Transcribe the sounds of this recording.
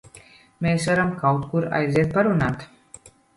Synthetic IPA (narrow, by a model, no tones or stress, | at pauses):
meːsəɾəmkawt̪kuɾa̰jzʲet̪̚paɾunat̪